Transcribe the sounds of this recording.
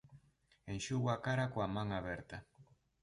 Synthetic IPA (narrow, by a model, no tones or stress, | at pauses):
enʃuɣwakaɾakoamaŋaβeɾt̪a